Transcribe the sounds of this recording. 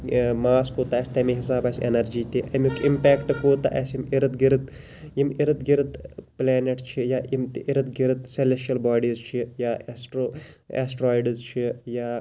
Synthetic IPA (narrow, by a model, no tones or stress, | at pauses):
maːskoːt̪aːeːsʲt̪ɐmiɦisaːbaːsʲḛnɐɾd͡ʒiːt̪iʔɐmʲukimpeːkʈkoːt̪a̰ːʔḛsimiɾɨd̪ɡiɾd̪ | imiɾɨd̪ɡiɾt̪pleːneʈt͡ʃʰijaːjimt̪ʔiɾɨd̪ɡiɾt̪selesʈɐlbaːɖiːzt͡ʃʰijaːsʈɾoḛsʈɾoːjɖzt͡ʃʰijaː